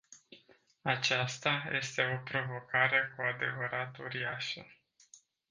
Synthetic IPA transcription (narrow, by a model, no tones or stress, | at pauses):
at͡ʃast̪aje̞̰st̪e̞o̞pɾo̞vo̞kaɾe̞kuad̪e̞vəɾat̪ṵɾiaʃə